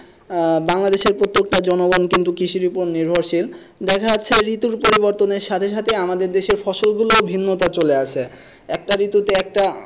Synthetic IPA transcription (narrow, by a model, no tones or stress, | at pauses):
baŋlad̪eʃeɾpɾot̪ːok̚ʈad͡ʑɔnoɡonkint̪ukiʃiɾiponiɾbʱoɾʃil | d̪ɛkʰaːɕʰeɾit̪uɾpoɾiboɾt̪oneɾʃat̪ʰeʃ̬at̪ʰeamad̪eɾd̪eʃeɾfɔʃolɡuloobʱinːot̪at͡ɕoleat͡ɕʰe | ɛk̚ʈaɾit̪ut̪eɛk̚ʈa